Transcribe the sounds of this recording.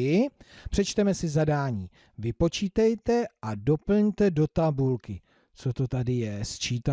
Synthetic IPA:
ɪpr̥ɛt͡ʃt̪ɛmɛsɪzadaːɲiː | vɪpo̞t͡ʃiːt̪ɛjt̪ɛʔado̞pl̩ɲt̪ɛdo̞t̪abulkɪ | t͡so̞t̪o̞t̪adɪjɛst͡ʃiːt̪a

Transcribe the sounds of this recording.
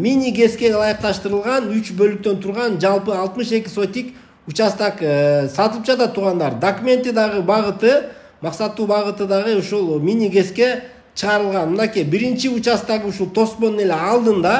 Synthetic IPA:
mʲinʲiɡe̞ske̞lˠɑjɨq̚t̪ɑʃt̪ɯɾɯlˠʁɑnyt͡ʃbø̞lyk̚t̪ø̞nt̪ʰuɾʁɑnd͡ʒɑlˠpɯɑlˠt̪mɯʃe̞kʲi̥so̞t̪ʲːik | ut͡ʃɑst̪ɑksɑt̪ɯlˠɯp̚d͡ʒɑt̪ɑt̪ʰːuɾʁɑnd̪ɑɾd̪ɐkumʲe̞nt̪ːid̪ɑʁɯbɑʁɯt̪ɯ | mɑqsɑt̪ːuːbɑʁɯt̪ɯd̪ɑʁɯoʃulˠmʲinʲiɡe̞ske̞ | t͡ʃʰɯʁɑɾɯlˠʁɑnmɨnɑkʲijbiɾint͡ʃiut͡ʃɑst̪ɑʁɯuʃulˠt̪ʰo̞smo̞nune̞le̞ɑlˠd̪ɯnd̪ɑ

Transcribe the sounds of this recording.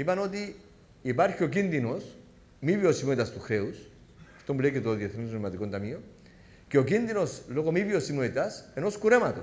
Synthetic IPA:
ipanot̪̬iː | paɾxjok̬ind̪inos | miβjosimwet̪ast̪uxɾews | est̪ombleket̪oðiaθenesmat̪ikont̪amio | keok̬ind̪inosloɣomiβjosimwet̪asenoskuɾemat̪o

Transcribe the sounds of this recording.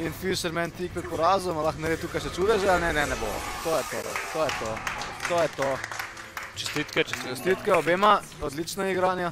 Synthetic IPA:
infiʃɛɾmɛnt̪ik̚pɛt̪pɔɾazumalaxnɛɾed̪t̪uːkajʃɛt͡ʃud̪ɛʒɛalnɛnɛnɛbo̰t̪ojɛt̪o̰t̪oːjɛt̪ot̪oːjɛt̪o | t͡ʃɛ̥st̪it̪kɛt͡ʃɛst̪it̪kɛɔbeːma | ɔd̪lit͡ʃnɔiɡɾaːnja

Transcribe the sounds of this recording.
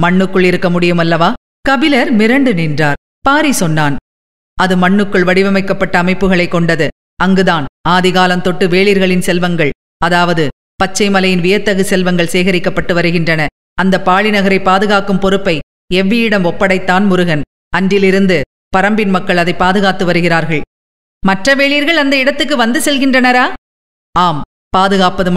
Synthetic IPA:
mɐɳːɯkːɯɭɪɾɯkːɐmʊɽɪjɯmɐlːɐʋaː | kɐʋɪlɐɾmɪɾɐɳɖɯnɛndraːɾ | paːɾisɔnːaːn | ʔɐðɯmɐɳːɯkːɯɭʋɐɽɪʋɐmɐɪkːɐpːɐʈːɐːmɐɪpːɯɣɐɭɐɪkːɔɳɖɐðɯ | ɐŋɡɯðaːnaːðɪɣaːlɐmt̪ɔʈːɯʋeːɭɪɾɣɐɭɪnsɛlʋɐŋɡɐɭ | ɐðaːʋɐðɯ | pɐt͡ʃːɐɪmɐlɐjɪnʋɪjɐt̪ːɐɣɯsɛlʋɐŋɡɐɭseːɣɐɾɪkːɐpːɐʈːɯʋɐɾɯɣɪndrɐnɐ | ɐnd̪ɐpaːɭɪnɐɣɐɾɐɪpːaːðɯɣaːkɯmpɔɾɯpːɐɪ | ɛʋːijɪɽɐmɔpːɐɽɐɪt̪ːaːnmʊɾɯɣɐn | ɐndɪlɪɾɯnd̪ɯ | pɐɾɐmbɪnmɐkːɐɭɐðɐɪpːaːðɯɣaːt̪ːɯʋɐɾɯɣɪɾaːɾɣɐɭ | mɐʈrɐʋeːɭiːɾɣɐɭɐnd̪ɐɪɽɐt̪ːɯkːɯʋɐnd̪ɯsɛlɣɪndrɐnɐɾaː | aːm | paːðɯɣaːpɐðɯm

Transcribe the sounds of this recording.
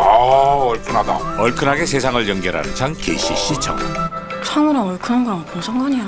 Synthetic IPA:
aʌɭkʰɯnada̰ʌɭkʰɯnaɡe̞sʰe̞sʰaŋɯɭjʌŋɡjʌɾɦa̰nɯnt͡ɕʰaŋkeiɕ͈iɕ͈it͡ɕʰʌ̰ŋ | sʰʌŋɯɾʌŋʌɭkʰɯnʌŋɡɯɾʌŋpʰunsʰʌŋɡʌɲija

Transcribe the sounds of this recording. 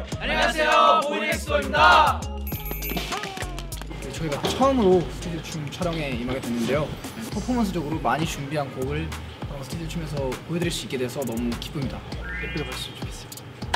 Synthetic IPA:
aɲaejooida | et͡ɕʌiɡat͡ɕʰʌɯmɯɾosʰɯ̥tʰudiot͡ɕʰumt͡ɕʰaɾjʌŋe̞imaɡedwe̞nːɯnde̞jo | pʰopʰomʌnsʰɯd͡ʑʌɡɯɾomaɲit͡ɕuŋbiɦankoɡɯɭ | sʰɯ̥tʰd̪iot͡ɕʰume̞sʰʌkoɦe̞dɯɾiɭs͈uik͈e̞dwesʰʌnʌmuki̥p͈umɲidakepɯbaɭs͈umokes͈i

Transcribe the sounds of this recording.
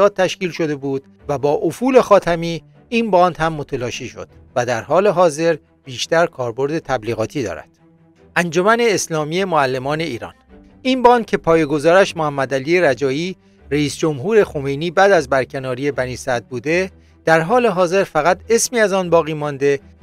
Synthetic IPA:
ɒːt̪̚t̪ːæʃkiːlʃo̞d̪e̞buːd̪̥ | væbɒːʔofuːle̞xɒːt̪ʰæmiː | inbɒːnd̪hæmːot̪ʰelɒːʃiːʃo̞̰d̪̥væd̪æɾhɒːle̞ɦɒːze̞ɾ | b̥iːʃt̪æɾkʰɒːɾbo̞ɾd̪e̞t̪ʰæbliːɣɒːt̪ʰiːd̪ɒ̰ːɾæ̰d̪̥ | ʔænd͡ʒo̞mæne̞ːslɒːmiːe̞moælːe̞mɒːne̞iːɾɒ̰ːn | inbɒːnd̪̥̚cʰe̞pʰɒːjeɡo̞zɒːɾæʃmohæmːæd̪æliːeɾæd͡ʒɒːjiː | ɾeiːsd͡ʒo̞mɦuːɾe̞xo̞me̞jniːbæːd̪æzbæɾcʰe̞nɒːɾiːe̞bæniːsæd̪̚buːd̪e̞ | d̪̥æɾɦɒːle̞ɦɒːze̞ɾfæɣæt̪ʰe̞smiːæzɒːnbɒːɣiːmɒːnd̪e̞

